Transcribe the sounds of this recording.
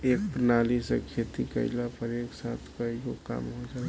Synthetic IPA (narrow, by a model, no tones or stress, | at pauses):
eːk̚pɾnaːlisḛkʰeːt̪ikə̰ɪlapəɾeːksaːt̪ʰkəiɡoka̰ːmɦod͡ʒaː